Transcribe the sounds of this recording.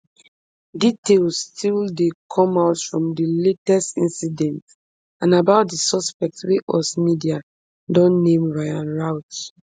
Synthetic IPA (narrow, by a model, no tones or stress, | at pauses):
ditelstʰildekʰɔ̃maʊtfɹɔ̃mdəletɛstḭ̃nsidɛ̃nt | ãnabaʊt̚dəsɔspɛk̚tweʔɔsmidia | dɔ̃nːẽmɹaɪãnɹaʊt